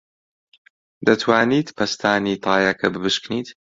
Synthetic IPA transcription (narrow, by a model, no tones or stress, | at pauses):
d̪ɐt̪ʰwaːniːt̪pʰɐst̪ʰaːniːt̪ʰɑːjakʰɐbɨbɨʃkniːt̪